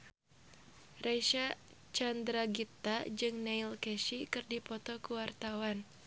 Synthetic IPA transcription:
rajʃa | t͡ʃand̪ɾaɡit̪ad͡ʒɨŋneilkɛʃikɨrdipɔt̪ɔkuwart̪awan

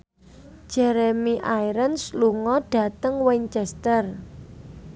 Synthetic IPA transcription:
ʒ̥ɛɾemiʔajɾənsluŋɔɖ̥ä̤t̪əŋwɛɲt͡ʃɛst̪ər

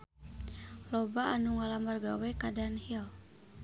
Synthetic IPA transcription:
lɔbaːnuŋalamarɡawɛkadanhil

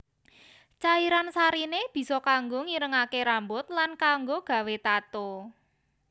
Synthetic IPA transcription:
t͡ʃaiɾansaɾineb̥i̤sɔkaŋɡoŋiɾəŋakeɾambʊt̪̚lankaŋɡoɡ̥ä̤wet̪at̪o

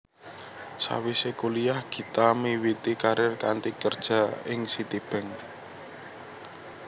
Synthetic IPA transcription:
sa̰wisekulijahɡ̥i̤t̪amiwit̪ikaɾɪrkant̪ikərd̥ʒ̥ä̤ɪŋsit̪ib̥ɛ̤ŋ

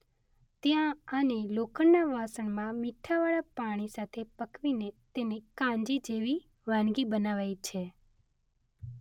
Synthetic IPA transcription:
t̪jãənelokʰənːaʋasəɳmãmiʈʰːaʋaɭapaɽ̃isat̪ʰepəkʋinet̪enekãɲd͡ʒid͡ʒeʋi | ʋãnɡibənaʋajt͡ʃʰe

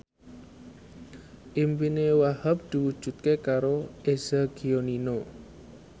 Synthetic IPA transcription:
ʔimbinewahəp̚d̪̥i̤wud̥ʒ̥ṳt̪̚kekaɾoez̥aɡ̥ionino

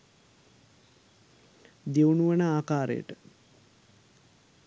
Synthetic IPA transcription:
d̪ewnuʋənəaːkaːɾḛjə̰ʈə

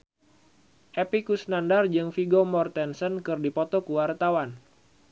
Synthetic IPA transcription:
ʔepikusnandard͡ʒɨŋfiɡomɔrt̪ɛnsənkɨrdipɔt̪ɔkuwart̪awan

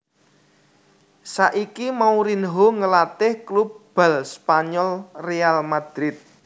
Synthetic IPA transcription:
saʔikimauɾinɦoŋəlat̪ɪhklubb̥a̤lspaɲɔlrealmad̪̥ɾɪt̪̚

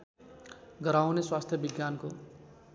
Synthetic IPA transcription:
ɡʌɾawneswast̪ʰjʌbiɡjanko

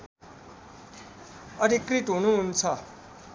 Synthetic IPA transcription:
ʌɾʱikɾiʈɦunuɦunt͡sʰʌ

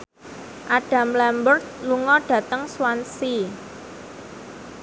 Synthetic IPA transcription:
ʔaɖ̥ä̤mlɛmbərt̪̚luŋɔɖ̥ä̤t̪əŋswansi

